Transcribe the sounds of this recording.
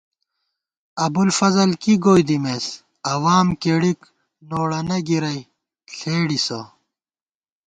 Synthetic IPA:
ɐbulfɐzɐlkiɡoːjd̪imeːs | ɐwaːmkeːɽik | noːɽɐnɐɡiɾɐj | ɬʰeːɽisɐ

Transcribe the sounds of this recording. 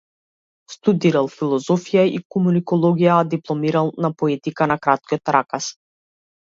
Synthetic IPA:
st̪ud̪iɾalˠfilˠɔzɔfijaikɔmunikɔlˠɔɡijad̪iplˠɔmiɾalˠnapɔɛt̪ikanakɾat̪̚kiɔt̪ɾakas

